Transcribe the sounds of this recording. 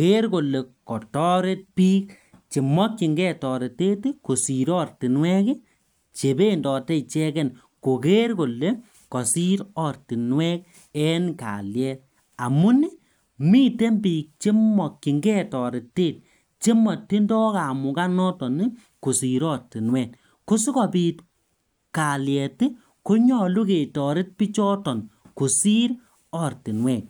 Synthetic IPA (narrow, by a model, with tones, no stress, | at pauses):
ke˦ɾko˨le˨kɔ˨tɔ˦ɾe˦t̚piː˦k | t͡ʃi˨mɔ˦kːi˨ŋɡɛ˦tɔ˨ɾe˨te˦tko˨si˨ɾɔ˦rti˨nwɛ˦kɪ˦ | t͡ʃe˨be˦ndɔ˨tɛ˦˨t͡ʃɛ˦kɛ˦˨n | ko˨ke˦ɾko˨le˦ | kɔ˨si˦ɾɔ˨rti˨nwɛ˦k | ɛ˦nka̰˨ljɛ˦ | a˨mu˦ni˦ | mi˦te˦mbi˨k̚t͡ʃe˦mɔ˨kːi˨ŋɡɛ˦tɔ˨ɾɪ˨tːe˦˨t̚ | t͡ʃe˦mɔ˨tːi˦ndɔ˦ka˨mu˨ka˦nɔ˦tɔ˨ni˦ | ku˨si˨ɾɔ˦ti˨nwɛ˨t | ko˦si˦kɔ˨pi˨t | ka˨ljɛ˨ti˦ | ko˦ɲɔ˦˨lu˦ke˨tɔ˨ɾɪ˦t̚pi˦t͡ʃɔ˦tɔ˨nku˨si˦ɾ | ɔ˦˨rti˨nwɛ˦˨k̚